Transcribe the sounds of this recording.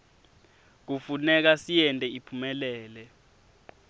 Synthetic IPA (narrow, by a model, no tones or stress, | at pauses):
k̬ufunɛk̬asijɛntʼɛipʰumɛlɛːlɛ